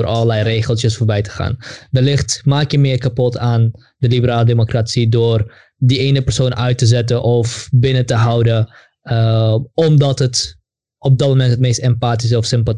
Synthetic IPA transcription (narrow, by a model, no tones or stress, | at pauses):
rʔɑlˠəlɛjreːχəlˠsjəsfoːɹbɛjtə̥χa̰ːndəlɪχtmaːkjəmɪːrkapɔtaːn | dəlibəɾaːlədemokrasidoːr | diejnəpərsoːnʔœɥtəzɛtəʔɔfbɪnətəɦɑwdə | ɔmdɑtɦət | ɔb̚dɑt̚momɛntɦətmejstɛmpaːtis̬ɔfsɪmpa